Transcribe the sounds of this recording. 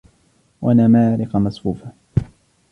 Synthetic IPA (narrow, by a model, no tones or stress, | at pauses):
wʔanamaːɾɪqɑmasfuːfa